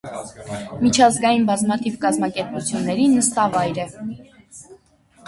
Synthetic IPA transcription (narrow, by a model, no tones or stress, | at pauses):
mit͡ʃʰɑzɡɑjinbɑzmɑt̪ʰivkɑzmɑkɛɾput͡sʰjunːɛɾinəst̪ɑvɑjɾɛ